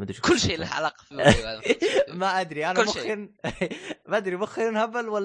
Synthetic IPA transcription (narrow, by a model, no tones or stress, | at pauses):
ad̪kʊlːʃeːlʕa̰laqf | maʔad̪ɾiʔanmʊxɪɾ | maʔad̪ɾimʊxɪɾnhabːalwalː